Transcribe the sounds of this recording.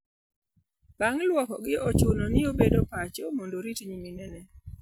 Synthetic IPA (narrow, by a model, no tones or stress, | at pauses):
b̥aŋlwɔkɔɡɪot͡ʃʊnɔnɪobedopat͡ʃomondoɾitɲiminɛnɛ